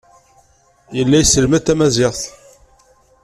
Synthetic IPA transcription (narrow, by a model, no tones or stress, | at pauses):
jəlːæjsəlmæt̪ːæmæzɪʁθ